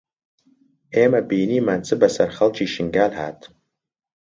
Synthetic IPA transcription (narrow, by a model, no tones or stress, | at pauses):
eːmabijniːmant͡sʰʼɨbasarχɐlt͡ʃʰiʃɪŋɡalɦa̰ːtʰʼ